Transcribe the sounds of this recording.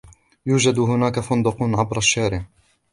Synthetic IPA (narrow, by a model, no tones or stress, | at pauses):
juːd͡ʒad̪ɦʊnaːkafʊnd̪ʊqʊnʕabɾˤaʃːaːɾɪʕ